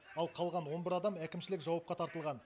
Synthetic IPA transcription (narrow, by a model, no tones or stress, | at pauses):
ɑlˠqʰɑlˠʁɑnwo̞nbɪɾɑd̪ɑmækʲɪmʃɪlɪkʒɑwɑp̚qɑt̪ʰɑɾt̪əlˠʁɑn